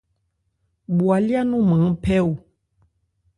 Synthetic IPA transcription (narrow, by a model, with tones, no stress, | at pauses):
bu˨a˨li˦a˦nũ˦mã˨˦ŋ̩˦pɛ˦o˨